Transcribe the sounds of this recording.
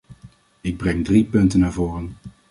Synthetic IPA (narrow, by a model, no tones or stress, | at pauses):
ɪɡ̚brɛŋdripɵntənːaːɹvoːrən